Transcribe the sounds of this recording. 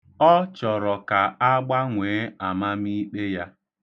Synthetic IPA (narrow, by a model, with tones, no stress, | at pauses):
ɔ˦t͡ʃɔ˨ɾɔ˨ka˨a˦ɡ͡ba˦ŋʷeː˨˦a˨ma˦mi˦k͡pe˦ja˦